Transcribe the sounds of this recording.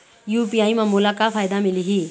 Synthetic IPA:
juːpijaːimãmulakafʰaːjd̪amɪliɦi

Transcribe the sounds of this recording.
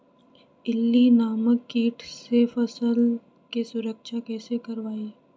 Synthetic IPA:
ɪlːinaːməkːiːʈʰsefɐsəl | kesʊɾəkʃakɛːsekɐɾʋaːeː

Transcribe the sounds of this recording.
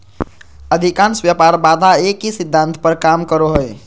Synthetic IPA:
əd̪ʱikãnsʋjəpaɾbad̪ʱaekːisid̪ʱːãnt̪pəɾkamkəɾoɦəj

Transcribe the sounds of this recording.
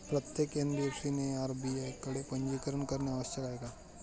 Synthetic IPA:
pɾɐt̪jekẽnd̪ɾiefsineaːɾbiekɐɽepɐ̃ɲd͡ʒikəɾənkɐɾneaʋəst̪ʰɐkaːeːɡaː

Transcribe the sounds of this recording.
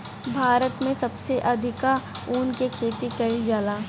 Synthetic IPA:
bʱaːɾət̪mẽsɐbseʔɐd̪ʱɪkauːnkekʰeːt̪ikɐid͡ʒaːlaː

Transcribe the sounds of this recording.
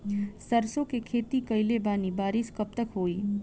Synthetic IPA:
sɐɾsõkekʰeːt̪ikɐɪlebaːnibaːɾɪskɐp̚t̪əkɦoːiː

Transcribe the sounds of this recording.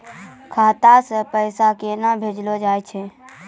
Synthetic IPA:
kʰaːt̪asəpəɪsakenəbʱed͡ʒlod͡ʒaːjt͡ʃʰɛ

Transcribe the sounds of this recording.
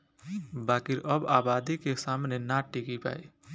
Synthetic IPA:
baːkiɾʔəbaːbaːd̪ikesaːmnenaʈːikipa̰ːi

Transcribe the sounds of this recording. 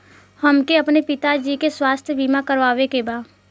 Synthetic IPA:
həmkeɐpnepɪt̪ad͡ʒiːkeswaːst̪ʰjəbʱiːmakəɾʋaːʋekebaː

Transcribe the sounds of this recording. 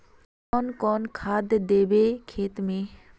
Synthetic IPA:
ɔːnkɔːnkʰaːd̪d̪eːbekʰeːt̪mẽ

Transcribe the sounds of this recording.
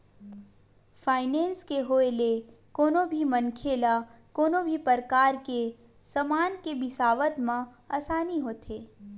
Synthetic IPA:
fʰaːɪnẽːnskeɦoːelekoːnõbʱimənkʰeːlakoːnõbʱipəɾkaːɾke | səmaːnkebɪsaːʋət̪mã | aːsaːniɦoːt̪ʰeː

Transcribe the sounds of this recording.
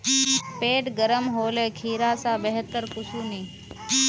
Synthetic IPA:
peːʈɡəɾəmɦoːleːkʰiːɾaːsaːbeɦət̪ːəɾkʊsuːniː

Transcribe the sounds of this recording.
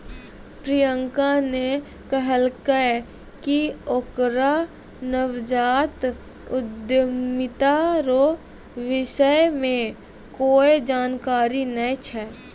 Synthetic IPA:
pɾijəŋkane | kəɦəlkə | kiokɾa | nəwd͡ʒaːt̪ | ʊd̪jəmɪt̪aɾo | ʋɪʃəjmẽ | koːed͡ʒaːnkaːɾinəit͡ʃʰɛː

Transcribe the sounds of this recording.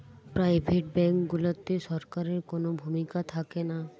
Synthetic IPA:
pɾaːɪbʱeʈ̚bɛ̃ŋkɡʊlət̪ːisɔɾkaɾeɾkonobʱumikat̪ʰakena

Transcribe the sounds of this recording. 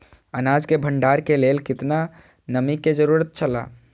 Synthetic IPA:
ənaːd͡ʒkebʱə̃ɳɖaːɾkeleːlkɪt̪na | nəmikːed͡ʒəɾuːɾət̪̚t͡ʃʰəla̰ː

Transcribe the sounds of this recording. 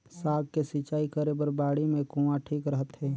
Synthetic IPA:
saːɡ̚kesɪt͡ʃaːikəɾebəɾbaːɽimẽkũãʈʰiːkɾəɦət̪ɦɛː

